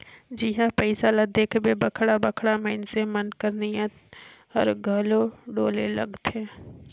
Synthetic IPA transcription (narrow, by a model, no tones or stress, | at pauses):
d͡ʒɪɦãpɛɪsalɐd̪eːkʰbebəkʰɽabəkʰɽaməɪnsemənkəɾnijət̪ | ɔ̰ɾɡʱəloɖoːlelɐ̰ɡt̪ɛ̃ː